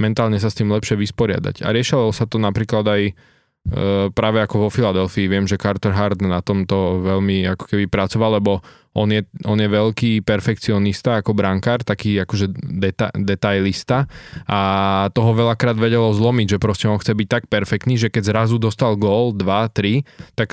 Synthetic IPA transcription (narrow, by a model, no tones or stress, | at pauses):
mɛnt̪aːlɲɛs̬ast̪iːmlɛpʃɪɛʋispɔɾɪa̰d̪a̰ɟa̰ɾɪɛʃilɔsat̪ɔnapɾiːklad̪aj | pɾaːʋɛakɔʋɔfilad̪ɛlfiːʋɪɛmʒɛkaɾt̪ɔɾɦaɾd̪nat̪ɔmt̪ɔʋɛlmiakɔ̥kɛbipɾat͡sɔʋallɛbɔ | ʔɔnjɛɔnjɛʋɛʎkiːpɛɾfɛk̚t͡siɔnist̪aakɔbɾaŋkaːɾt̪akiːakɔʒɛd̪ɛt̪ad̪ɛt̪ajlist̪aʔat̪ɔɦɔʋɛlakɾaːd̪ʋɛɟɛlɔzlɔmiɟʒɛpɾɔscɛɔnxt͡sɛbic̚t̪ak̚pɛɾfɛk̚t̪niːʒɛkɛɟzɾazud̪ɔst̪alɡɔːld̪ʋat̪ɾit̪ak